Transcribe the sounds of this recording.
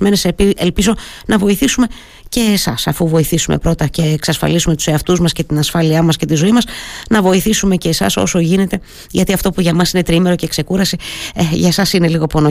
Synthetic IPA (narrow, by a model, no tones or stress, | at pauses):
me̞neselpizo̞ | nʔɐvo̞iθisume̞ | ce̞ːsɐsɐfuvo̞iθisume̞̰pɾo̞t̪ɐce̞ːksɐsfɐ̰lisume̞t̪u̥se̞ɐft̪uzmɐsce̞t̪inɐsfɐliɐmɐsce̞t̪izo̞imɐsnɐvo̞iθisume̞ceːsɐ̰so̞̰so̞ʝine̞t̪e̞ | ʝɐt̪iɐft̪o̞puʝɐmɐsine̞t̪ɾime̞ɾo̞cekse̞kuɾɐsiʝɐsɐsine̞liɣo̞po̞no